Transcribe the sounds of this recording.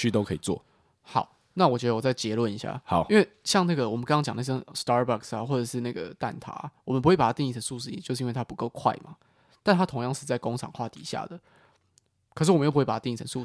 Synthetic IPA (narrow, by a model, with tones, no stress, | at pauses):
t͡ɕʰy˥t̪o˥ʊkʰɤ˧i˨˩t͡swɔ̰˥˨ | xɑ˨˩˦ʊ | na˥˨wɔ˨t͡ɕɥɛ˧˦d̪ə˧wɔ˨˩t͡sa˥˩ɪt͡ɕjɛ˧˦˥lwə˥˩ni˧˥ɕja̰˥˩hɑ˨˦i˥nwe˥˧ɪɕjɑ˥˧ŋna˥˩ɡə˩wɔ˨˩mə˨˦nkɑ˥ŋɑ˥ŋt͡ɕjɑ˨˩ŋna˥˩ɕə˥st̪ɑ˥ba˥˧ksa˨˩xwɔ˥˩ʈ͡ʂə˨˩ʂɻ̩˥˧na˥˩ɡə̰˩t̪a̰˥˨˩nt̪ʰa̰˨˥a̰˨wɔ˨mə˦p̬u˧we˥˩pa˨˩a˥t̪i˥˧ŋi˥˩ə˧˥nsu˥˧ʂɻ̩˥˩ḭ˨˩t͡ɕo˥ʊʂ̩˥˧˦wt̪ʰa˥pu˧˦ko˥˧ʊkʰwa̰˥˩ɪma˩ | t̪a˥˧nt̪ʰa˥t̪ʰo˧˥ŋjɑ˥˧ŋʂɻ̩˥˧t͡sa˥˩ɪko˥ŋt͡sʰɑ̰˨˩ŋxwa˥˨˩t̪ḭ˨˩ɕja̰˥˩d̪ə˩ | kʰʂ̬ɻ̩˥˩wɔ˨mə̃˦jo˥˩pwe˥˩a˨˩˥i˥˧i˥˩ə˧˦nsu˥˧